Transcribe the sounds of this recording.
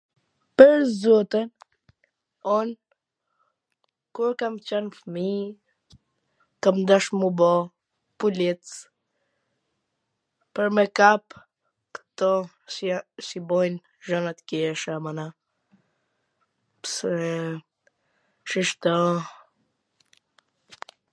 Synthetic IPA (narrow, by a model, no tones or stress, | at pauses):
pəɾzɔt̪ən | ɔn | kuɾkamt͡ɕɛnfmi | kamd̪aʃmubɔ | pulit͡s | pəɾmɛkap | kt̪ɔ | sibɔjn | ʒɔnat̪kɛʃamana | psɛ | ʃiʃt̪ɔ